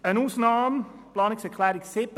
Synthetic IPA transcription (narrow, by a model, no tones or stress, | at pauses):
ənuːsnɑːmplɑːnɪksəkʰlɛːɾɪksɪp